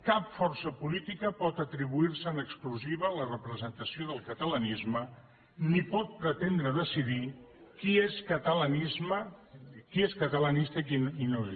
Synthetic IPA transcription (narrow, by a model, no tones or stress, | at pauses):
kapfɔrsəpulit̪ikəpɔt̪ət̪ɾiβuiɾsəːnəkskluziβ̞əːlərəpɾəzənt̪əsioðəlˠkət̪ələnizmə | nipɔt̪̚pɾət̪end̪ɾəðəsiði | kieskət̪ələnizməkieskət̪əlanist̪əkininoe